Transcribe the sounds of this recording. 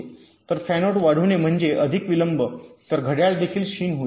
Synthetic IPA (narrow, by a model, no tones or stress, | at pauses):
t̪əɾfænoʈʋaɽ̤uːnem̤əɳd͡zeʔəd̪ʱikʋiləmbət̪əɾɡʱəɽjald̪ekʰiːlɕiːnɦoi